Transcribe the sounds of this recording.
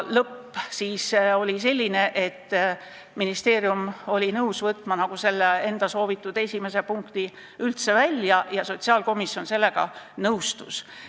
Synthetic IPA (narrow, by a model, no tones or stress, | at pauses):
lɤpːsiːso̞lʲise̞lʲːine̞ʔe̞t̪ː | minist̪e̞ːɾjumo̞lʲinɤwsvɤt̪ːˑmɑnɑɡ̥use̞lːee̞nd̪̥ɑso̞ːvit̪ːˑud̪̥e̞sʲime̞se̞puŋkt̪i | ylt̪se̞vælʲjɑjɑso̞t̪ʲsiɑːlko̞misjo̞nse̞lːe̞ɡ̥ɑ̰nɤwst̪us